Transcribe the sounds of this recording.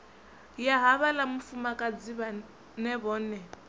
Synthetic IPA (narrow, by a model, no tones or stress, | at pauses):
jaɦaβalamufumakʼad͡ziβa | nɛβɔːnɛ